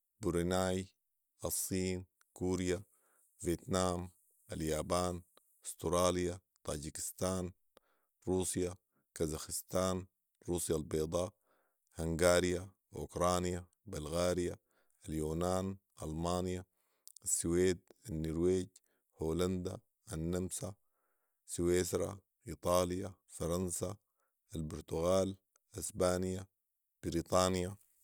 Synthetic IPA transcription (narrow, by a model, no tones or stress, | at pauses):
buɾinaːj | ʔɑsˤːiːn | kuːɾja | veːt̪naːm | ʔaljaːbaːn | st̪ɾˤɑːlja | t̪ˤaːd͡ʒikɪ̥st̪aːn | ɾuːsja | kazaxɪst̪aːn | ɾuːsjalbeːd̪ˤɑː | haŋɡaːɾja | ʔṵkɾˤaːnja | balɣaːɾija | aljuːnaːnʔɑ̰lmaːnja | asːuweːd̪anːiɾweːɟ | hoːland̪a | ʔanːamsa | sweːsɾa̰ | ʔiːt̪ˤɑːlija | fɑɾˤɑnsa | albʊɾt̪uɣaːl | ʔasbaːnija | b̥ɪɾiːt̪ˤɑːnja